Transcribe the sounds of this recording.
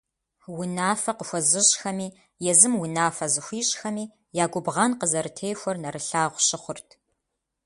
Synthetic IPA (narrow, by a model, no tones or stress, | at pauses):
wʊnaːfɐqəxʷɔzɨɕʼxɐmiː | jɛzɨmwʊnaːfɐzɨxʷiːɕʼxɐmiː | jaːɡʷʊbʁɐnqəzɐɾɨtʰeːjxʷɔrnɐɾɨɬaːʁʷɕɪχʷʊrtʰ